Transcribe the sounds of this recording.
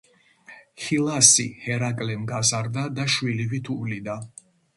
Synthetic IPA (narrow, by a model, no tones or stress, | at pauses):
hilˠasihɛɾakʼlɛmɡazaɾd̪ad̪aʃwilivit̪ʰulid̪a